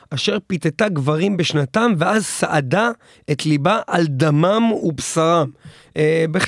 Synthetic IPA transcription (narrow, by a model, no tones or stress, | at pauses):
ʔaʃe̞ʁpit̪etaɡvaʁimbeʃnatamveazsaʔada | ʔet̪libaʔald̪amamubsaʁam | ebeχ